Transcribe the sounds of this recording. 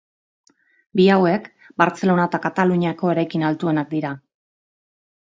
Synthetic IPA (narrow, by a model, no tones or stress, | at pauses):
biawe̞k | baɾt͡se̞lo̞nat̪akat̪aluɲiako̞e̞ɾajkinalt̪ue̞nak̚d̪iɾa